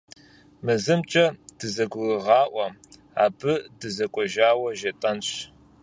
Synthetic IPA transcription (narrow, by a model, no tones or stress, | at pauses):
mɨzɨmt͡ʃʼɐd̥ɨzɐɡʷʊlɨʁɑːʔʷɐ | a̰ːbɨdɨzɐkʷʼɔʒaːwɐʒetʼɐnɕ